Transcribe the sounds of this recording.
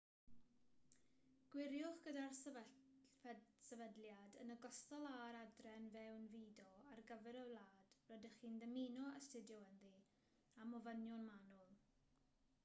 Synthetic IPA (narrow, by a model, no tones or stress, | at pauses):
ɡ̥wɪɾjʊχɡ̥ədar | sɛvədljadənəɡɔstɔlˠaɾadrɛnvɛwnviːdɔarɡəvɛɾəwlˠaːd̥rɔdəχiːnðəmiːnɔəstɪdjɔwənði | amɔvənjɔnmanʊlˠ